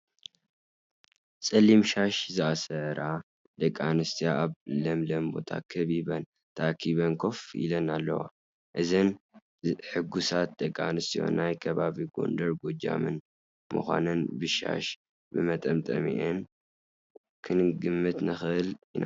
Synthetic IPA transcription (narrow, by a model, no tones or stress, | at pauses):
sʼɐlimʃaʃzɨasɐɾʔa | d̪̥ɐkʼːanɨst̪ʰijaaβlɐmlɐmbo̞̰t̪ʰa̰kʰɐβiβɐn | t̪ʰɐakʰːiβɐnkʰo̞fḭlɐnalːɐ̰wa̰ | ʔɨzɐn | ħɨɡusat̪̚d̪̥ɐkʼːanɨst̪ʰijo̞̰nːajkʰɐβaβiɡo̞̰nd̪ɐɾɡod͡ʒa̰mɨn | mɨ̰xʷa̰nɨnbɨʃa̰ʃ | bɨmɐt̪ʼɐmt̪ʼɐ̰mḭʔen | kʰɨnɡɨmːɨt̪nɨxɨʔɨlina